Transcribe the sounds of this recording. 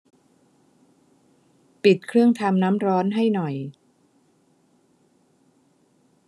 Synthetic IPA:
pi˨˩t̪̚kʰɾɯ˥˩əŋt̪ʰa˧mnaː˦˥mɾɔː˦˥nɦa˥˩jnɔ˨˩j

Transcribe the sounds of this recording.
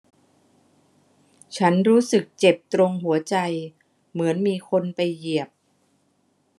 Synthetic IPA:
t͡ɕʰa˦˥nɾuː˦˥sɯ˨˩k̚t͡ɕe˨˩p̚t̪ɾo˧ŋɦu˩˦ɐt͡ɕa˧j | mɯ˩˦ənmiː˧kʰo˧npa˧jːi˨˩əp̚

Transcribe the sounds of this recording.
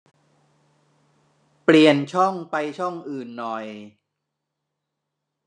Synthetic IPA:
pli˨˩ənt͡ɕʰɔ˥˩ŋpa˧jt͡ɕʰɔ˥˩ŋʔɯː˨˩nːɔ˨˩j

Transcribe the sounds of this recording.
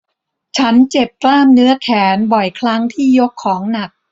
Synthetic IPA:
t͡ɕʰa˦˥nt͡ɕe˨˩p̚klaː˥˩mnɯ˦˥ɐkʰɛː˩˦nbɔ˨˩jkʰɾa˦˥ŋt̪ʰiː˥˩jo˦˥kʰːɔː˩˦ŋna˨˩k̚

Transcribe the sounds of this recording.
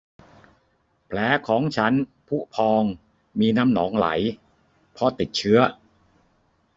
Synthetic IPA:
pʰlɛː˩˦kʰɔː˩˦ŋt͡ɕʰa˦˥npʰu˦˥˩pʰɔː˧ŋ | miː˧na˦˥mnɔ̰ː˩˦ŋla̰˩˦j | pʰɔ˧t̪i˨˩t̪̚t͡ɕʰɯ˦˥ɐ

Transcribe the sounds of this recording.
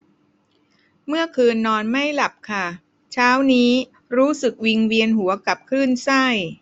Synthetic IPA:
mɯ˥˩ɐkʰɯː˧nːɔː˧nma˥˩jla˨˩p̚kʰa˥˩ | t͡ɕʰaː˦˥wniː˦˥ | ɾuː˦˥sɯ˨˩k̚wi˧ŋwi˧ənɦu˩˦ɐka˨˩p̚kʰɯː˥˩nsa˥˩j

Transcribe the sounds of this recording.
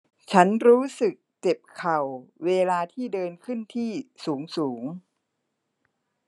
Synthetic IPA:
t͡ɕʰa˦˥nɾuː˦˥sɯ˨˩k̚t͡ɕe˨˩p̚kʰa˨˩wːeː˧laː˧t̪ʰiː˥˩dɤː˧nkʰɯ˥˩nt̪ʰiː˥˩suː˩˦ŋsuː˩˦ŋ

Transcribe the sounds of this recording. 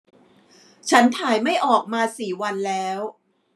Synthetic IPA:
t͡ɕʰa˦˥nt̪ʰaː˨˩jma˥˩jʔɔː˨˩k̚maː˧siː˨˩wa˧nlɛː˦˥w

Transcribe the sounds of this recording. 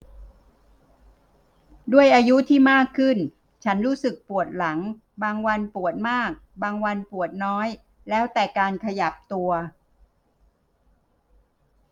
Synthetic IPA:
du˥˩əjʔaː˧ju˦˥t̪ʰiː˥˩maː˥˩kʰːɯ˥˩n | t͡ɕʰa˦˥nɾuː˦˥sɯ˨˩k̚pu˨˩ət̪̚la˩˦ŋ | baː˧ŋwa˧npu˨˩ət̪̚maː˥˩k̚baː˧ŋwa˧npu˨˩ət̪̚nɔː˦˥j | lɛː˦˥wt̪ɛː˨˩kaː˧nkʰa˧ja˨˩p̚t̪u˧ɐ

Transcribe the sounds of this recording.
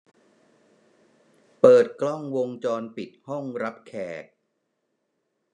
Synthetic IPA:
pɤː˨˩t̪̚klɔ˥˩ŋwo˧ŋt͡ɕɔː˧npi˨˩t̪̚hɔ˥˩ŋɾa˦˥p̚kʰɛː˨˩t̪̚

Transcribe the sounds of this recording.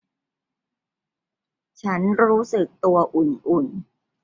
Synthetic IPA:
t͡ɕʰa˦˥nɾuː˦˥sɯ˨˩k̚t̪u˧ɐʔu˨˩nʔu˨˩n

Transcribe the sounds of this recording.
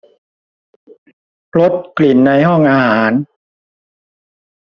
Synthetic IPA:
lo˦˥t̪̚kli˨˩nːa˧jhɔ˥˩ŋʔaː˧haː˩˦n

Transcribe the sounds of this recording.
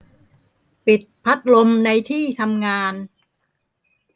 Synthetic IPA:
pi˨˩t̪̚pʰa˦˥t̪̚lo˧mna˧jt̪ʰiː˥˩t̪ʰa˧mŋaː˧n

